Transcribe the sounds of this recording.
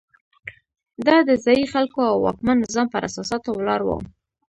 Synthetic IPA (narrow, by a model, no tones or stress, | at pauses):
d̪ɑd̪əzɑjixalkoawːɑ̰kmanːɪzɑmpəɾʔasɑsɑt̪owlɑɾwə̰